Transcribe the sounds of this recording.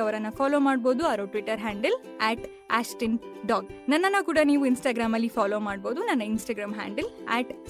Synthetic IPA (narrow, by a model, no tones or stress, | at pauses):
ɐʋɐɾɐnːɐfaːloːmaːɽbo̞ːd̪uɐʋɾoʈʋiʈːɐɾɦaːɳɖɐl | eːʈ | aːsʈinɖaːɡnɐnːɐnːɐkuːɽɐniːʋuinsʈaːɡɾaːmɐlːipʰaːloːmaːɽbo̞ːd̪unɐnːɐinsʈɐːɡɾaːmɦa̰ːɳɖɐleːʈ